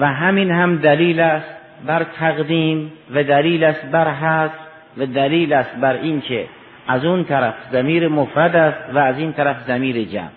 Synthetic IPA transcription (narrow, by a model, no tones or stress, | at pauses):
væɦæminhæmd̪æliːlæst̪ | bæɾt̪ʰæɣd̪iːmvæd̪æliːlæst̪̚bæɾɦæs | væd̪æliːlæst̪̚bæɾinkʰe | æzunt̪ʰæɾæfzæmiːɾemofɾæd̪æst̪væːziːnt̪ʰæɾæfzæmiːɾed͡ʒæ̰m